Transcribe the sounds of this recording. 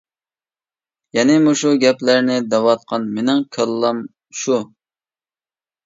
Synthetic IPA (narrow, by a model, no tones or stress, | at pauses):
jɛnɪmuʃuɡʲɛplæɾnɪd̪ɛwɑt̪̚qʰɑnmenɪŋkʲʰəlˠːɑm | ʃu